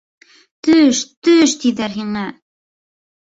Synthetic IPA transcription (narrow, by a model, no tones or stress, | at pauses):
t̪ɵʃt̪ɵʃt̪iðæɾɦiŋæ